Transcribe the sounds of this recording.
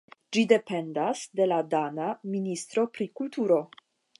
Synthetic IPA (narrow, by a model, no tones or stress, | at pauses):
d͡ʒide̞pe̞ndasde̞ladanaminist̪ɾo̞pɾikultuɾo̞